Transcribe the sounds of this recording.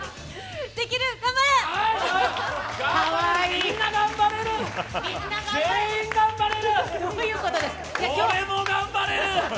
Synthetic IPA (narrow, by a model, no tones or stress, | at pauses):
d̪̥e̞kʲiɾɯ̟ɡambaɾea | kaβaiinːaɡãmbaɾe̞ɾɯ̟miaeĩŋɡãmbaɾe̞ɾɯojɯ̟ːko̞t̪o̞d̪esɨ̥jakkjoːemoɡãmbaɾeɾɯ̟